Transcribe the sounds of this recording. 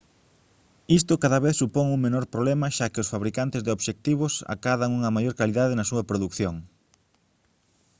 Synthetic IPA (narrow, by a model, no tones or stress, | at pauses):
ist̪ʊkaðaβeθsupoŋuŋmenoɾpɾoβlɛmɐʃakɪʊsfaβɾikant̪ɪzðeoβʃek̚t̪iβ̞ʊsa̰kaðaŋuŋɐmajoɾkaliðaðɪnɐsuɐpɾoðukθjoŋ